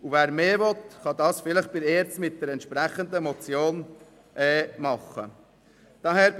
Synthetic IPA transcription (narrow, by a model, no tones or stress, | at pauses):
uvæːɾmeːʋɔt̪χɑd̪ɑːsfɪləχb̥ɪɾeːɾt͡smɪt̪̚d̥̪ɛɾɛntʃpɾæχənd̪əmɔt͡sjoːn | ʔɛːmɑχːə̰ | d̪̥ɑɦɛɾb